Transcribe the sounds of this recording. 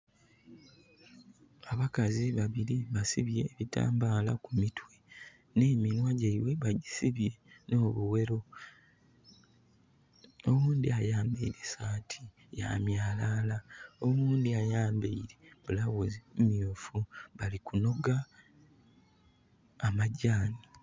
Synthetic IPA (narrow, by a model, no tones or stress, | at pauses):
aβakaziβaβiɾiβasiβje̞ːβita̰ːmbaːla̰kumitwe̞ | ne̞ːminwaɟaiwe̞βaɟisiβje̞no̞ːβuwe̞ɾo̞ | o̞wuːndiajaːmbeiɾesaːtʰi̥ | ja̰mjaːlalao̞muːndiajaːmbeiɾe̞βulawuzimumjuːfuβalikuno̞ɡa | amaɟaːni